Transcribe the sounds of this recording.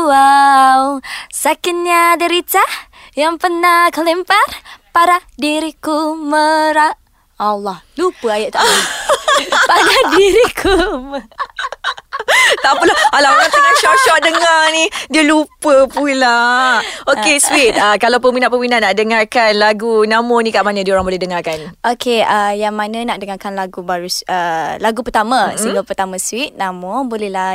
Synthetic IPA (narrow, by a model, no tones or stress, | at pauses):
awsakɪn̚ɲadəɾit̪ah | jaŋpənahkələmparpaɾahdiɾikuməɾaʔ | alːɔhlupəajaʔt̪aʔu | paɾadiɾikʰum | t̪apulaalaaŋpənaʃɔʔʃɔt̪̚dəŋanĩdiəlupəpula | okeswit̪̚əkalawpəminatpəminatʔnaʔ̚dəŋarkanlaɡunamɔnĩkaʔmanə̃dioɾaŋbolɛɦdəŋarkanʔokʰeəjaŋmãnə̃naʔdəŋarkanlaɡubaɾusəlaɡupərt̪amãsilopərt̪amãswit̪̚nãmobolɛhla